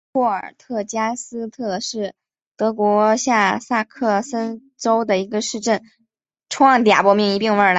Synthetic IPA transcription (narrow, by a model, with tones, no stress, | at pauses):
ɔ˥˩ə̰˞˨˩t̪ʰɤ˥˩t͡ɕja˥sɹ̩˥t̪ʰɤ˥˧ʂɻ̩˥˩ | t̪ɤ˧˥kwɔ˧˥ɕja˥˧sa˥˧kʰɤ˥˩sə˥n | ʈ͡ʂo˥ʊd̪ə˨˩i˧˥ɡə˧ʂɻ̩˥˧ʈ͡ʂə˥˩n | ʈ͡ʂʰwɑ˥˩ŋt̪ja̰˨˩pwɔ˥mi˥˩ŋi˧˥pi˥˧ŋwə˞˥˩˧